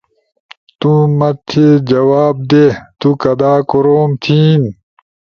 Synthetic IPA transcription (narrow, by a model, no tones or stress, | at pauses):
t̪ũmɐt̪ʰed͡ʑɐwaːb̚d̪et̪ukɐd̪aːkoɾoːmt̪ʰiːn